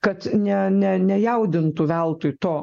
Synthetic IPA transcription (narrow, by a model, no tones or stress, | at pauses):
kɐt̪nʲɛnʲɛnʲɛjɛʊd̪ʲɪnt̪uʋʲɛlˠt̪ʊjt̪oː